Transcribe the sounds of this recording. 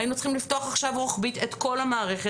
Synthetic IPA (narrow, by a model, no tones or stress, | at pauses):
inut͡sχimlifto̞aχaχʃavʁoχbitetko̞lamaːʁe̞χe